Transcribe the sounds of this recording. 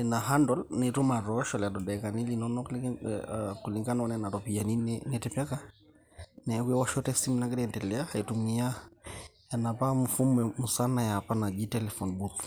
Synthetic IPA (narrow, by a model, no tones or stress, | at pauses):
ɛnaɦandɔlnetumaɾɔʃɔladɔdɛkanilinɔnɔl | kuliŋɡanaɔnɛnaɾɔpianinɛnɛtɛpjaka | nɛkwɛwɔʃɔtɛsim̩nakiɾɛntɛlɛahaitumia | anapamufumɛmusanajapanaɡitɛlɛfɔnbut